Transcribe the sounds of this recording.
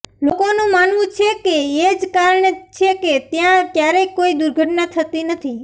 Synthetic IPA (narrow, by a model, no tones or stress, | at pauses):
lokonũmanʋũt͡ʃʰekeed͡ʒkaɾɳet͡ʃʰeket̪jãkjaɾekoid̪uɾɡʱəʈnat̪ʰət̪inət̪ʰi